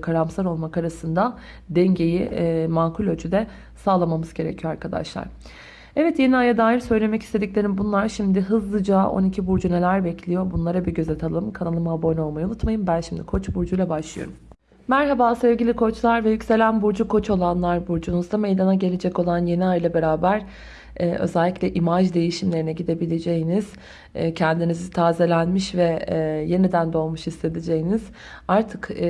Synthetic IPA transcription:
kʰaɾamsaɾo̞lˠmakaɾasɯnd̪a | d̪ɛɲɟejimaːkʰulʲød͡ʒʰyd̪ɛ | saːlˠamamɯzɟe̞ɾḛcʰijoaɾkʰad̪a̰ʃlˠa̰ɾ̥ | ɛvɛt̪je̞niajad̪aːɦiɾsø̞jlʲe̞mɛci̥st̪ʰe̞d̪icʲlʲe̞ɾimbunlˠaɾʃimd̪ɪɦɯzlˠɯd͡ʒaʔo̞̰nicʰibuɾd͡ʒune̞lʲæɾbɛcʰlʲijo̞bunlˠaɾabiɟø̞zet̪ʰalˠɯmkʰanalˠɯmhabo̞no̞lˠmajiunut̪majɯmbænʃimd̪ikʰo̞t͡ʃbuɾd͡ʒujlˠabaʃlˠɯjo̰ɾum | mæɾɦabaːsevɟilʲikʰo̞t͡ʃlˠaɾvɛjycse̞lʲænbuɾd͡ʒukʰo̞t͡ʃʰo̞lˠanlˠaɾbuɾd͡ʒunuzd̪ame̞jd̪anaɟe̞lʲed͡ʒɛco̞lˠanje̞niajlˠabe̞ɾaːbæɾ | ɛːø̞̰zɛlʲːiclʲɛʔimad͡ʒd̪e̞jiʃimlʲe̞ɾinɛɟid̪e̞bilʲed͡ʒejiniz̥ | cʰɛnd̪inizit̪ʰaːzelʲænmiʃvɛje̞nid̪ænd̪o̞lˠmuʃist̪ʰe̞d̪id͡ʒejiniz̥ | aɾt̪ʰɯk

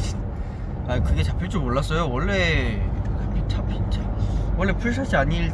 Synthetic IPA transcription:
aikɯɡet͡ɕapʰiɭt͡ɕ͈omoɭːas͈ʌjowʌɭːe | pʰt͡ɕapʰit͡ɕawʌɭːepʰuɭs̬ʰaɕ͈iaɲiɭ

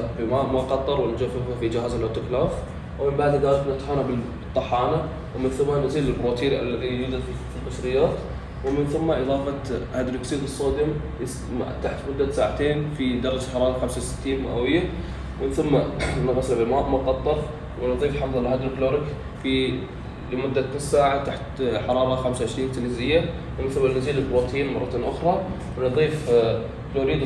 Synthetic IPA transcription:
bɪmaːʔmaqɑt̪ˤːɑɾˤwɪnd͡ʒafːɪðhafid͡ʒɪhaːzalʔat̪ʊklaːf | wɪmɪmbaʕd̪ɪd̪aːɣɪbnɪt̪haːnabɪbɨt̪ˤːɑħɑːna | wɪmɪnθʊmːanaziːlɪlbɾoːt̪iːɾiʔa̰lːaðinɪd͡ʒɪd̪ | filbɑsɾɪjːaːt̪ | wɪmɪnθʊmːaʔɨðˤɑːfat̪had̪ɾɪksiːd̪ɨsˤːoːd̪ɪm | a̰t̪ːaħt̪mʊd̪ːat̪saːʕat̪eːnfid̪ɑɾˤd͡ʒħɑɾˤɑːɾˤɑxamsawsɪ̥t̪ːiːnmaʔawɪjːa | mɪnθʊmːanɑɣɑslabɪmaʔmɑqːɑt̪ˤːɑf | wɪnɨðˤiːfħɑfðˤɑlɦad̪ɾkloːɾɪk | fi | lmʊd̪ːat̪nɪsaːʕat̪aħt̪ħɑɾˤɑːɾˤɑxamsawʕɪʃɾiːnt̪ɪlizɪjːa | wmɪnθʊmːalnɪziːlɪlbɾuːt̪ʰiːnmɑ̰ˤɑt̪inʔʊxɾˤɑ | wnɨðˤiːf | kloːɾiːd̪

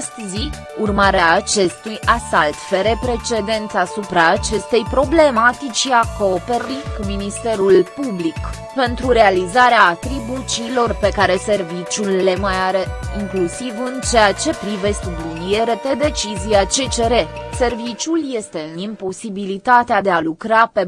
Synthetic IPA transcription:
st̪zi | urmaɾeaːt͡ʃe̞st̪ujasalt̪feɾe̞pɾe̞t͡ʃe̞d̪e̞nt̪sasupɾaːt͡ʃe̞st̪e̞jpɾo̞ble̞mat̪it͡ʃiakope̞ɾikuminist̪e̞ɾulpublik | pe̞nt̪ɾuɾe̞alizaɾeaːt̪ɾibut͡ʃiːlo̞rpe̞kaɾe̞se̞rvit͡ʃʲulːe̞majaɾe̞iŋklusivɨnt͡ʃeat͡ʃe̞pɾive̞st̪blunije̞ɾe̞p̪e̞d̪e̞t͡ʃiziat͡ʃe̞t͡ʃe̞ɾe̞se̞rvit͡ʃʲulje̞st̪e̞ɨnimpo̞sibilit̪at̪ead̪e̞alukɾape̞

